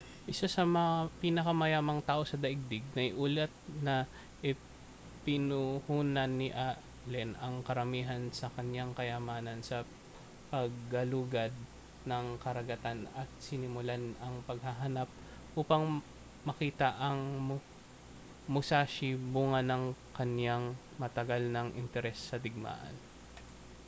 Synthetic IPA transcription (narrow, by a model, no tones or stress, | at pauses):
ʔɪsasɐmɐŋapiːnɐkɐmɐjaːmɐŋt̪aːʔo̞sɐd̪ɐʔɪɡ̚d̪ɪɡ̚nɐjʔuːlɛt̪̚nɐ | ʔɪ | pɪnuhuːnɐnːɪʔa | lɛnʔɐŋkɐɾɐmiːɦɐnsɐkɐɲjaŋkɐjɐmaːnɐnsɐ | pɐɡ̚ːɐluɡɐd̪̚ | nɐŋkɐɾɐɡɐt̪anɐt̪̚sɪnɪmʊlanɐŋpɐɡ̚hɐɦɐnap̚ | ʔuːpɐŋ | mɐkiːt̪ɐʔɐŋm | mʊsaːʃibuŋɐnɐŋkɐnjaŋ | mɐt̪ɐɡalnɐŋʔɪ̰nt̪ɛɾɛsːɐd̪ɪɡ̚ma̰ːʔɐ̰n